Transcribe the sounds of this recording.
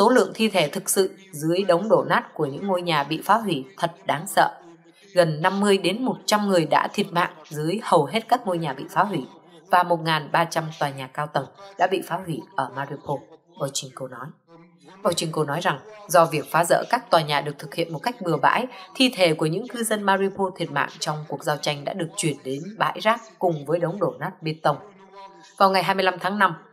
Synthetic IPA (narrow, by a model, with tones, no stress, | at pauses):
so˨˦lɨ̰˧˨əŋt̪ʰi˧t̪ʰe˧˩t̪ʰɨ˨˩k̚sɨ̰˧˨ | zɨ˨˦əjɗə˨˦wŋ͡mɗo˧˩naː˦˥t̚ku˧˩əɲɨ̰˧˥ŋːo˧jɲaː˨˩ɓḭ˧˨faː˨˦ɦwi˧˩t̪ʰə˨˩t̚ɗaː˨˦nsə̰ː˧˨ | ɣə˨˩nːa˧mːɨ˧əjɗe˨˦nmo˨˩t̚t͡ɕa˧mŋɨ˨˩əjɗa̰ː˧˥t̪ʰi˨˩ət̚ma̰ː˧˨ŋzɨ˨˦əjhə˨˩wɦe˦˥t̚kaː˦˥k̚ŋo˧jɲaː˨˩ɓḭ˧˨faː˨˦wi˧˩vaː˨˩mo˨˩t̚ŋaː˨˩nɓaː˧t͡ɕa˧mt̪waː˨˩ɲaː˨˩kaː˧wt̪ə˨˩ŋɗa̰ː˧˥ɓḭ˧˨faː˨˦hwi˧˩ʔəː˧˩maː˧ɾi˧po˧ | ɓaː˧wt͡ɕï˧ŋ̟ko˧nɔ˨˦j | ɓaː˧wt͡ɕï˧ŋ̟ko˧nɔ˨˦jza˨˩ŋzɔ˧vi˨˩ək̚faː˨˦zə̰ː˧˥kaː˦˥k̚t̪waː˨˩ɲaː˨˩ɗɨ˨˩ək̚t̪ʰɨ˨˩k̚hḭ˧˨ənmo˨˩t̚ka˦˥jk̟̚ɓɨ˨˩əɓa̰ː˧˥jt̪ʰi˧t̪ʰe˧˩ku˧˩əɲɨ̰˧˥ŋkɨ˧zə˧nmaː˧zi˧pʰo˧t̪ʰi˨˩ət̚ma̰ː˧˨ŋt͡ɕɔ˧wŋ͡mku˨˩ək̚zaː˧wt͡ɕa˧jŋ̟ɗa̰ː˧˥ɗɨ˨˩ək̚t͡ɕwi˧˩ənɗe˨˦nɓa̰ː˧˥jzaː˦˥k̚kʊ˨˩ŋ͡mvəː˨˦jɗə˨˦wŋ͡mɗo˧˩naː˦˥t̚ɓi˧ənt̪ə˧wŋ͡m | vaː˨˩wŋa˨˩jɦaː˧mɨ˧jla˧mt̪ʰaː˨˦ŋna˧m